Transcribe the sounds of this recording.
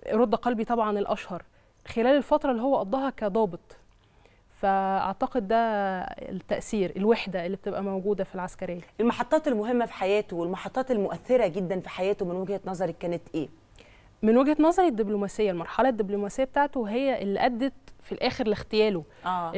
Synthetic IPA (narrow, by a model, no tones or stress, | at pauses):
ɾˤod̪ːɑqɑlbit̪ˤɑbʕɑnelʔæʃhɑɾˤ | xelæːlelfɑt̪ɾˤɑlːiɦowːæʔɑd̪ˤːɑːɦɑkæd̪ˤɑːbet̪ˤ | fæʔɑ̰ʕt̪ɑqed̪ːæ | t̪ːæʔsiːɾʔelweħd̪æʔelːibet̪ebʔæmæwɡuːd̪æfilʕaskæɾejːæʔelmɑħɑt̪ˤːɑːt̪elmoɦemːæfi̥ħajæːt̪owelmɑħɑt̪ˤːɑːt̪elmoʔæθːeɾæɡed̪ːænfi̥ħajæːt̪omenweɡhænɑzˤɑɾˤikːæːnet̪ʔeː | menweɡhænɑzˤɑɾˤed̪ːiblomæːsejːælmɑɾˤħɑlɑd̪ːiblomæsejːæbet̪aːʕt̪oɦejːæʔelːiʔæd̪ːæt̪filʔæːxeɾlːext̪ejæːloæː